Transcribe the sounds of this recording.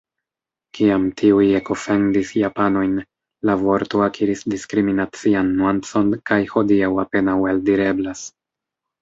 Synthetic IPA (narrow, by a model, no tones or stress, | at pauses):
kiamtʰiujeko̞fe̞ndisjapano̞jn | lavo̞ɾto̞akʰiɾisdiskɾiminat͡sianːwant͡so̞nkajho̞diawape̞nawaldiɾe̞blas